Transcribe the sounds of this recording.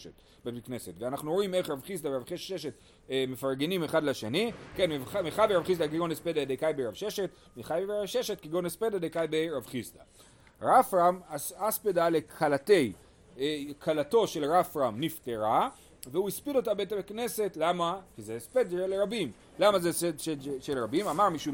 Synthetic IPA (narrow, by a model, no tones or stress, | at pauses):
ʃet | bemikne̞se̞tveanaχnuoime̞χʁavχist̪aveʁavχieʃet | mefaʁɡenimeχad̪laʃenike̞nmemeχabeʁavχis̬tdaɡiɡonispedad̪ejkajbeʁavʃeʃe̞t | miχajbebeʁavʃeʃet̚kiɡonespedadejkajbeɾavχist̪a | ʁafʁamaaspedale̞kʰalate̞j | kʰalato̞ʃe̞lʁafʁamnifteʁa | veuispido̞tabejtamikne̞se̞tlamakizespedʃeleʁabim | lamazesedʃeʃelʁabimamaʁmiʃu